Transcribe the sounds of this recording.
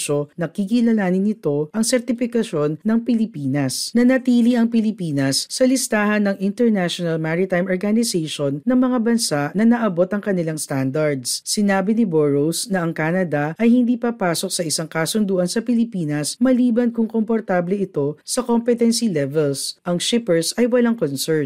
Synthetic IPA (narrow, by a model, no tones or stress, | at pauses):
ʃo̞nɐkikilɐnaːnɪnɪt̪o̞ʔɐŋsɛɾt̪ɪfɪkɐʃo̞nːɐŋpɪlɪpiːnɐsnɐnɐt̪iːliʔɐŋpɪlɪpiːnɐsːɐlɪst̪aːhɐnːɐŋʔɪnt̪ɛɹnaʃonɐlmaɹɪt̪ajmʔoɹɡanɪsejʃonːɐŋmɐŋabɐnsaʔnɐnɐʔɐbo̞t̪ɐŋkɐnɪlaŋst̪and̪ɐɹd̪ssɪnaːbɪnɪboɹowsnɐɐŋkaːnɐd̪ɐʔɐjhɪnd̪iːpɐpaːso̞k̚sɐʔɪsaŋkasʊnd̪uːʔɐnsɐpɪlɪpiːnɐsmɐliːbɐnkʊŋkompoɾt̪aːblɛɪt̪o̞sɐkompɛt̪ɛnsilɛvɛlsʔɐŋʃɪpɛɹsɐjwɐlaŋkonsɛɹ